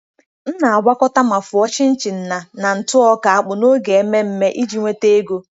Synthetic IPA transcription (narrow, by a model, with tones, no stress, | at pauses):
n̩˦na˨a˨ɡ͡bʷa˦kɔ˦ta˦ma˨fʊ˨ɔ˦t͡ʃɪ˦n̩˦t͡ʃɪ˨n̩˨na˨na˨n̩˨tʊ˦ɔ˦ka˨a˨k͡pʊ˨no˦ɡe˨e˦me˦m̩˦me˦ʔi˦d͡ʒi˨ŋʷe˦te˦ɡo˦